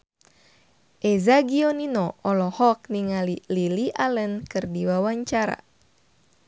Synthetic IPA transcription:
ʔɛzaɡiɔninɔɔlɔhɔk̚niŋalililiʔalənkɨrdiwawaɲt͡ʃaɾa̰

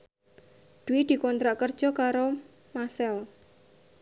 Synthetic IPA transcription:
d̪̥uid̪̥i̤kɔnt̪ɾaʔkərd̥ʒ̥ɔkaɾo | masɛl

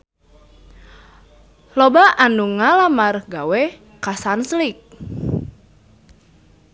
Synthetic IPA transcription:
lɔbaʔanuŋalamarɡawe | kasanslik̚

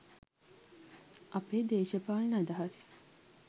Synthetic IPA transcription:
ʔɐpeːd̪eːʃəpaːlnad̪ɐɦɐs

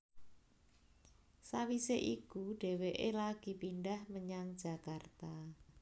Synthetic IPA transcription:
sawiseʔikuɖ̥e̤weʔelaɡ̥i̤pindahməɲaŋd̥ʒ̥a̤kart̪a

